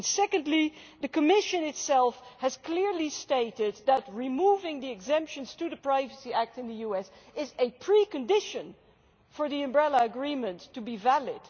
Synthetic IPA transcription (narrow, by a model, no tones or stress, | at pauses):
nsɛkɨ̃ndˡliðɨkɨmɪʃɨ̃nɨtsɛlˠfhɨz̥kʰl̥ɪɹlisteɪɾɪd̪̚ðət̚ɹimuvɪ̃ŋðiɨɡzɛ̃mpʃɨ̃nz̥tɨðɨpɹ̥aɪvɨsiæk̚tɨ̃nðɨjuɛs | ɪzɨpʰɹ̥ikɨ̃ndɪʃɨ̃n | fə˞ðiɨ̃mbɹɛlˠəɨɡɹĩmɨ̃ntʰːɨbivælɪd̥